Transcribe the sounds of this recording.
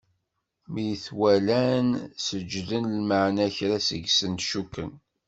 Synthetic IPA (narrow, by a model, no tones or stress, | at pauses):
mijθwælænsəd͡ʒðənlməʕnæçɾæsə̰ɡsənt̪ʃukːən